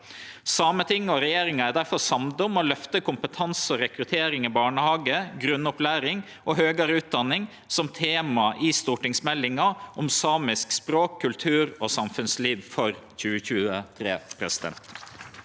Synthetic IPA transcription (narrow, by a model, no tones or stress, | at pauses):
sɑːmət̪ɪŋːɔɾɛjeːɾɪŋɑæɾd̪æɾfɔɾsɑmd̪ʊmɔlœft̪əkʊmpət̪ʰɑnsɔɾɛkɾʉt̪ʰeːɾɪŋɪbɑːɳəhɑːɡəɡɾʉnːʊplæːɾɪŋ | ʔɔɦøːɡɑɾəʉːt̪̚d̪ɑnːɪŋ | sɔmt̪ʰeːmɑʔɪst̪uːʈɪŋsmɛlːɪŋɑʔɔmsɑːmɪskspɾoːkʰːʉlt̪ʰʉːɾɔsɑmfʉnsliːʋfɔɾçʉːəçʉːət̪ʰɾḛːpʰɾɛsɪd̪ɛ̰nt̪